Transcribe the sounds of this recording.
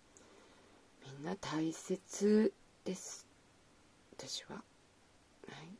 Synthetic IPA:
mʲĩnːat̪aise̞t͡sɨ | d̪̥e̞sɨ̥ | βat̪aɕiβa̰ | hai

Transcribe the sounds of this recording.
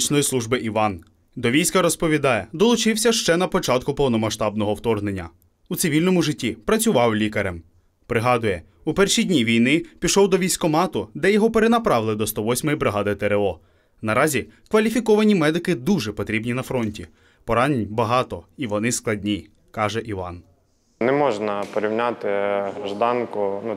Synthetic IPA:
t͡ʃnɔjislˠuʒbɪʔiʋɑn | d̪ɔʋʲijsʲkɐɾɔspɔʋʲid̪ɑjɛd̪ɔlˠʊt͡ʃɪwsʲɐʃt͡ʃɛnɐpɔt͡ʃɑt̪̚kʊpɔwnɔmɐʃt̪ɑbn̪ɔɦɔwt̪ɔrɦne̞nʲːɐ̰ | ut̪sɪʋʲilʲnɔmʊʒɪtʲːipɾɐt͡sʲʊʋɑwlʲikɐɾɛm | pɾɪɦɑd̪ʊjɛ | upɛrʃidʲnʲiʋʲijnɪpʲiʃɔwd̪ɔʋʲijsʲkɔmɑt̪ʊd̪ɛjɔɦɔpeɾenɐpɾɑʋɪlˠɪd̪ɔst̪ɔʋɔsʲmɔjibɾɪɦɑd̪ɪt̪eɾelˠɔ | nɐɾɑzʲikʋɐlʲifʲikɔʋɐnʲimɛd̪ɪkɪd̪uʒɛpɔt̪ɾʲibnʲinɐfɾɔnʲtʲi | pɔɾɑnʲnʲbɐɦɑt̪ɔiʋɔnɪsklˠɐdʲnʲi | kɑʒɛʔiʋɑ̰n | nɛmɔʒnɐpɔɾʲiwnʲat̪ɪɐʒd̪ɑnkʊnu

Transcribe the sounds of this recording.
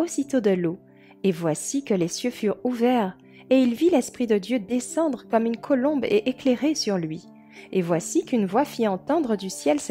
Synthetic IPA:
osit̪od̪əlo | evwasikəlesjøfyʁuvɛʁ | eilvilɛspχid̪əd̪jød̪esɑ̃d̪ʁəkɔmynkʰɔlɔ̃beʔekleʁesyʁlɥi | evwasikynvwafiɑ̃t̪ɑ̃d̪ʁəd̪ysjɛls

